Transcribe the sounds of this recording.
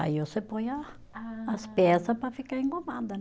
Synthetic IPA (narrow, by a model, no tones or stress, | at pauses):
a̰iosepõjaː | spɛsɐpɾafikaɾẽŋkomãnd̪ɐn